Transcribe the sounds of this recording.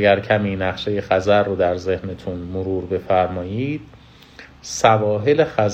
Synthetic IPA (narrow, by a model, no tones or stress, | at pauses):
ɡæɾcʰæmiːnæχʃe̞je̞xæzæɾːod̪æɾze̞hnet̪ʰunmoɾuːɾbe̞fæɾmɒːjiːd̪̥̚ | sævɒːɦe̞lexæz